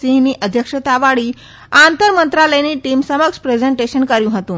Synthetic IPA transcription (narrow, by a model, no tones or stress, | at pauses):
iɦiniːʔəd̪ʱjəkʂət̪aʋaɽiː | ant̪əɾmənt̪ɾaləjniːʈiːmsəməkʂpɾed͡zeɳʈeɕənkəɾjũɦət̪ũːn